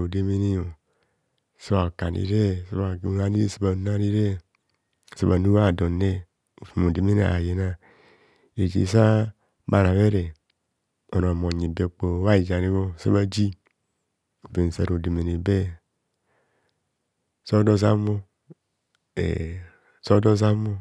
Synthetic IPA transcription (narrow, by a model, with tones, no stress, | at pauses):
o˨de˦me˦ni˦o˨ | so˦ba˨ka˨nḭ˦ɾe˦˨so˦βa˨u˨˦a˦ni˦ɾe˦˨se˦ba˨na˦ɾi˦ɾe˦˨ | se˦ba˨nu˦a˦˨do˨ne˦ | o˨fu˨mo˨de˨me˦na̰˨a˨je˨na˦˨ | e˨d͡ʒḭ˨sa˦ | ba˨ɾa˨βe˦ɾe˨ | o˨na˨mo˨ɲe˨be˨k͡po˨wa˦i˨d͡ʒa˨ni˦βo˦˨se˦βa˦d͡ʒi˦ | o˨be˨n˨se˨ɾo˨de˨me˨ne˨be˦ | so˦do˦za˦mo˦ | ḛ˨ | so˦do˦za˦mo˦